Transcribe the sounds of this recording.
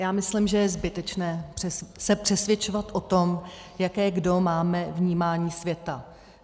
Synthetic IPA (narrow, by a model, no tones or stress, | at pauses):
jaːmɪslimʒɛjɛzbɪt̪ɛt͡ʃnɛːpr̥ɛsɛpr̥ɛsvjɛt͡ʃovat̪ʔo̞t̪o̞m | jakɛːɡdo̞maːmɛvɲiːmaːɲiːsvjɛt̪a